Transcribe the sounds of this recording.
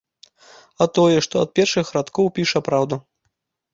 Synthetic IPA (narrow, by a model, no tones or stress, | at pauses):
ɐt̪ɔjɛʂt̪ɔɐt̪̚pʲɛrʂɨxɾat̪kɔwpʲiʂɐpɾawd̪u